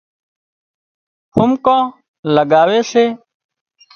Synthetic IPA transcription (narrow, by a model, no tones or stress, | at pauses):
hʊmkãː | ləɡaːweːseː